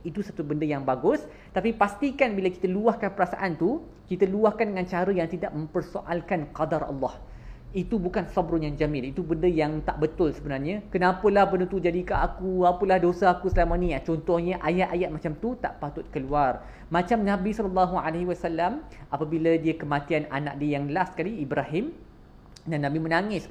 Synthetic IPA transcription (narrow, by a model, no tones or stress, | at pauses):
it̪usat̪ubəndəjaŋbaɡʊs | t̪apipast̪ikanbiləki̥t̪əluahkanpəɾasa̰ʔant̪u | kit̪əluahkandəŋãnt͡ʃaɾəjaŋt̪idaʔ̚mə̃mpərsoʔalkanqadarɑ̰lːɑh | it̪ubukansɑbɾʊnjaŋd͡ʒamɪ̃nit̪ubəndəjaŋt̪aʔbət̪ʊlsəbənarɲãkənãpəlahbəndət̪ud͡ʒadikaʔakuapəlahdosaakusəlamanĩat͡ʃɔnt̪ɔhɲəʔajat̪ajat̪̚mat͡ʃamt̪ut̪a̰ʔpat̪ʊt̪̚kəluar | mãt͡ʃamnãbisɔləlːɑɦualahiwasalːamʔapabilədiəkəmãt̪iana̰na̰ʔ̚diəjaŋdəlaskaliːbɾaɦɪm | danːãbimənaŋɪs